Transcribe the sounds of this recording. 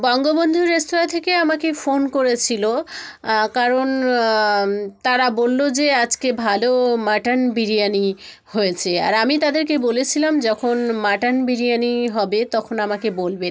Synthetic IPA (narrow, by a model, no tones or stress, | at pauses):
bɔŋɡobond̪ʱuɾest̪oɾat̪ʰekeamakefonkoɾet͡ɕʰilo | kaɾon | t̪aɾabolːod͡ʑead͡ʑkebʱalomaʈanbiɾijani | hojet͡ɕʰea̰ɾamit̪ad̪eɾkebolet͡ɕʰilamd͡ʑɔkʰonmaʈanbiɾijaniɦɔbet̪ɔkʰonamakebolbe